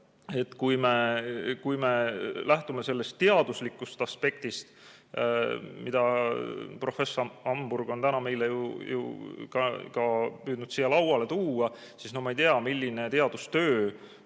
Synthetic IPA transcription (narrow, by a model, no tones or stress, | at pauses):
e̞t̪ːkujme̞kujme̞læht̪ume̞se̞lːe̞st̪ːeɑd̪uslikːˑust̪ɑspe̞k̚t̪ist̪ | mid̪ɑ | pro̞fe̞sːoɑmburɡ̥o̞nt̪ænɑme̞jlejṵjṵkɑkɑpyːd̪̥nud̪̥sijːɑlɑwɑle̞t̪uːɑ | sisnomɑejt̪eɑmilʲːine̞t̪e̞ɑd̪̥ust̪øː